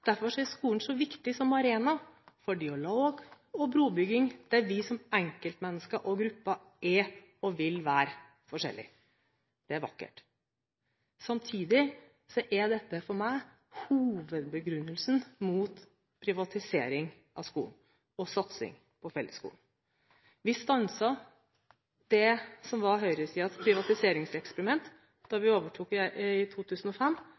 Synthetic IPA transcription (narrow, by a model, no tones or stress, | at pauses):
d̪̥æɾfɔʂɔæskuːənsɔʋɪkt̪ɪsɔmɑɾeːnɑfɔɖɪɑloːɡ | ɔbɾuːbʏɡɪŋd̪̥ɛʋɪsɔmɛŋkəlt̪mɛnːəskəʔɔɡɾʉpːɑ | ɛ | ɔʋɪlʋæːɾ | fɔʂɛ̰lːɪ̰ | d̪̥ɛæɾʋɑ̰kːə̰ʈ | sɑmt̪ʰiːd̪ɪ | sɔʔæɖɛt̪ːəfɔɾmæɪ | huːʋəd̪̚bəɡɾʉnːəlsnmuːt̪ | pʰɾɪʋɑt̪ʰɪseːɾɪŋ | ʔɑ̰skṵːn̩ | ɔsɑt̪sɪ̰ŋ | pʰɔfɛlːəskṵːln | ʋɪst̪ɑnsɑ | d̪̥ɛsɔmʋɑɦœʏɾəsiːɑt̪pʰɾɪʋɑt̪ɪseːɾɪŋsɛkspəɾɪmɛnt̪ | d̪̥ɑɾʋɪoːʋəʈʰuːkːæʔɪt̪ʰuːt̪ʰʉːsn̩ɔfɛmː